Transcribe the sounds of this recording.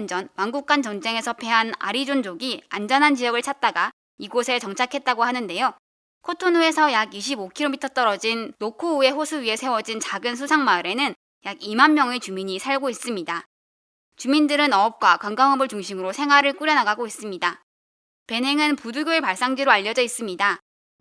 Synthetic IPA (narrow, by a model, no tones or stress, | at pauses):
nd͡ʑʌnwaŋɡuk̚k͈ant͡ɕʌnd͡ʑe̞ŋe̞sʰʌpʰe̞ɦana̰ɾid͡ʑond͡ʑoɡiand͡ʑʌnɦant͡ɕijʌɡɯɭt͡ɕʰat̚t͈aɡa | iɡosʰe̞t͡ɕʌŋt͡ɕʰakʰe̞t̚t͈aɡoɦhanɯnde̞jo | kʰotʰonoe̞sʰʌjaɡiɕʰibokʰiɾomitʰʌt͈ʌɾʌd͡ʑinːokʰoue̞ɸosʰuɥie̞sʰe̞wʌd͡ʑint͡ɕaɡɯns̬ʰusʰaŋmaɯɾe̞nɯn | jaɡimanmjʌŋet͡ɕumiɲisʰaɭɡois͈ɯmɲida | t͡ɕumindɯɾɯnʌʌp̚kwakaŋɡaŋɦʌbɯɭt͡ɕuŋɕʰimɯɾosʰe̞ŋɦwaɾɯɭk͈uɾjʌnaɡaɡois͈ɯmɲida | pe̞nɦe̞ŋɯnpuduɡjoepaɭs͈aŋd͡ʑiɾoaʎːʌd͡ʑʌis͈ɯmɲida